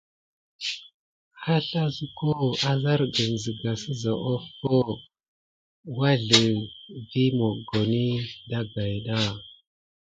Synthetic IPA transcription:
ha˦ɬa˦zu˦ko˦a˦za˦ɾɡə˨n˨zə˨ɡa˨sə˦za˨ʔo˦fo˦ | wa˦ɮə˨vi˦mo˨ɡo˨ni˦da˦ɡa˨jɗa˦

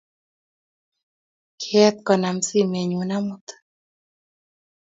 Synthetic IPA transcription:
kʰɛ˦t̪̚kɔ˨na˨msi˦me˨ɲu˨na˦mʊ˦t̪

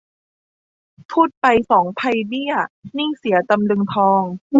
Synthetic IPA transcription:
t̪ʰuː˥˩t̪̚pa˧jsɔː˩˦ŋpʰa˧jbi˥˩ɐni˥˩ŋsi˨˩˦t̪a˧mlɯ˧ŋt̪ʰɔː˧ŋ

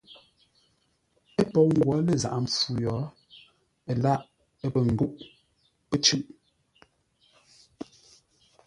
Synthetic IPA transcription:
e˦pɔ˦˨ŋ̩˦˨ɡwɔ˨˦le˨za̰˨ʔa˨m˨p͡fu˦jɔ˨˦ | e˨la˦˨ʔ | e˦pə˨ŋ̩˨ɡu˦ʔ | pə˦t͡ʃʉ˦ʔ

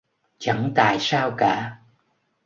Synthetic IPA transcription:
t͡ɕa˧˩ŋt̪a̰ː˧˨jsaː˧wkaː˧˥˦

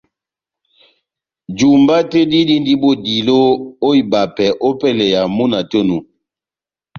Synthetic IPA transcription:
d͡ʒu˨mba˦te˦di˦di˦ndi˦bo˦di˨lo˦o˦i˨ba˨pɛ˨ʔo˦pɛ˦lɛ˨ja˨mu˦na˨to˦nu˨

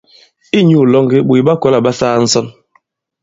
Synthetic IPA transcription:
i˦ɲu˨lɔ˦ŋɡe˦ɓu˨ɓa˦kɔ˦la˨ɓa˦saː˦n̩˦sɔ˦n

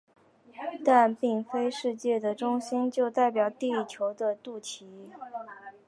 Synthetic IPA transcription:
t̪a˥˧npi˥˩ŋfe˥ɪʂɻ̩˥˧t͡ɕjɛ˥˩d̪ə˩ʈ͡ʂʊ˥ŋɕi˥nt͡ɕjo˥˧ʊt̪a˥˩ɪpjɑ˨˩ʊt̪i˥˧i˥˩t͡ɕʰjo˧˥ʊd̪ə˧t̪u˥˩t͡ɕʰi˧˥

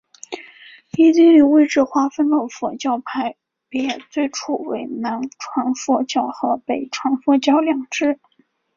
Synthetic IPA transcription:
i˥t͡si˥li˥˩we˥˧ɪʈ͡ʂɻ̩˥˧xwa˥fə˥nlə˨˩fɔ˨˩t͡ɕjɑ˥˧ʊpʰa˧˥ɪ | pjt͡swe˥˧ɪʈ͡ʂʰu˥˩we˧˥ɪna˧˥nʈ͡ʂʰwa˧˥nfɔ˥˩t͡ɕjɑ˥˩ʊxɤ˧˥pe˨˩ɪʈ͡ʂʰwɑ˧˥nfwɔ˥˩t͡ɕjɑ˥ʊljɑ˨˩ŋʈ͡ʂɻ̩˥˩

